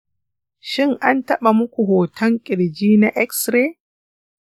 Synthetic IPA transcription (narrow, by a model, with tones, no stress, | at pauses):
ʃɪ˦ŋʔa˦ntɐ˦ɓa˨mʊ˦kʷu˨ɦoː˨tʰɐ˦ŋkʲʼɪ˨ɽd͡ʒiː˦na˦ʔɛ˦ksɾe˦